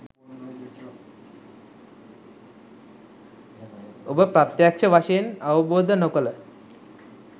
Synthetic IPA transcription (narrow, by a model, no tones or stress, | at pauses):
obəpɾat̪jakʂəʋaʂəjenaʋəboːd̪ʱənokələ